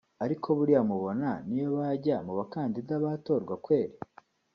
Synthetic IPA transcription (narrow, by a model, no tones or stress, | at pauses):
aɾikʰo̞βuɾiamuβo̞nanijoβaɟamuβakaːndidaβato̞ːɾɡwakwe̞ːɾi